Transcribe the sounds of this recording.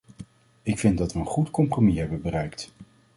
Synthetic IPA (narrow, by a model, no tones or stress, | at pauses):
ɪkfɪndɑtʋəənχutkɔmpromiɦɛbənbərɛjkt